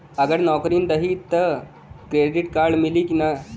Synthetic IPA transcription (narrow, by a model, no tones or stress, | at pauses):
əɡəɾnɔkɾiːnd̪əɦit̪ːə | kɾeɖiʈkaɾɖmilikina